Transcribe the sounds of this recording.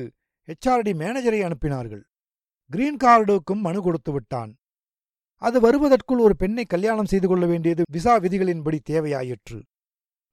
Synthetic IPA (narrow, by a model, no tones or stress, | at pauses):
ɛt͡ʃːaːɾɐɽimeːnɐd͡ʒɐɾɐɪɐɳɯpːɪnaːɾɣɐ̰ɭ | ɡɪɾiːnkaːɾɽɯɯkːɯmːɐnɯkɔɽɯt̪ːɯʋɪʈːa̰ːn | ɐðɯʋɐɾɯʋɐðɐrkɯɭɔɾɯpɛɳːɐɪkːɐljaːɳɐmsɛjðɯkɔɭːɐʋeːɳɖɪjɐðɯʋɪs̬aːʋɪðɪɣɐɭɪnbɐɽit̪eːʋɐja̰ːjɪʈrɯ̰